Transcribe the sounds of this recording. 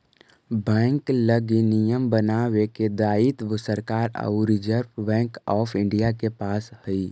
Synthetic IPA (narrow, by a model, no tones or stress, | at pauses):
bɛ̃ːŋkləɡinijəmbənaːweked̪aːit̪ʋəsəɾkaːɾə̰ɾɪd͡ʒəɾpbɛ̃ːŋkɔːpʰɪ̃ɳɖijakepaːshəi